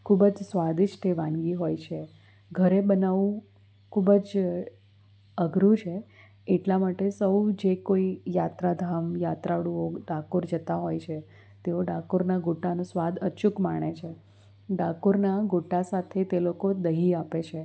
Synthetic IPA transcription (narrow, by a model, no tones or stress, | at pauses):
kʰubd͡ʒsʋad̪ɪʃt̪ʰeʋãnɡiɦojt͡ʃʰe | ɡʱəɾebənaʋũ | kʰubəd͡ʒ | əɡʱɾũt͡ʃʰe | eʈlamaʈesəwd͡ʒekoijat̪ɾad̪ʱamjat̪ɾaɽuoɖakuɾd͡ʒət̪aɦojt͡ʃʰe | t̪eoɖakuɾnaɡoʈanũsʋad̪ət͡ʃukmaɽ̃et͡ʃʰe | ɖakuɾnaɡoʈasat̪ʰet̪elokod̪əɦiapet͡ʃʰe